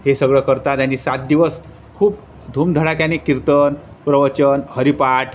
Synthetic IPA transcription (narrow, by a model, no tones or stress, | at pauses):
hesəɡɭəkəɾt̪at̪añisat̪̚d̪iʋəs | kʰuːp | d̪ʱuːmd̪ʱəɽakjanekiɾt̪ən | pɾəʋət͡ɕənhəɾipaʈʰ